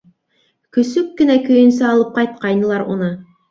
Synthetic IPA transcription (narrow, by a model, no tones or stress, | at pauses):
kɵ̆sɵkːɘ̆nækɵ̆jɵ̆nsɘɑlˠɤp̚qɑjt̪̚qɑjnɤ̆lˠɑɾṵnɤ